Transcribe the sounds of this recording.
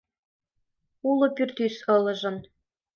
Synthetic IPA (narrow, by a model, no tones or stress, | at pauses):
ulɤ̆pyrt̪ysɤ̆lɤ̆ʒɤ̆n